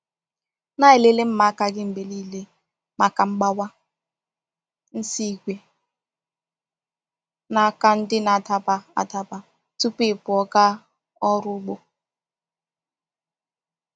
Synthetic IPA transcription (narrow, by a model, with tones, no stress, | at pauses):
na˦e˨le˦le˦m̩˦ma˨a˦ka˦ɡɪ˦m̩˨be˨liː˦˨le˦ | ma˨ka˨ŋ͡m̩˦ɡ͡ba˦wa˦ | n̩˦si˦ɡʷe˨ | na˨˦ka˦n̩˦dɪ˦na˨ta˨ba˨a̰˨ta˦ba˨ | tu˦pi˦˨pʊ˨ɔ˨ka˦ | ɔ˦ɾʊ˦ɡ͡bo˨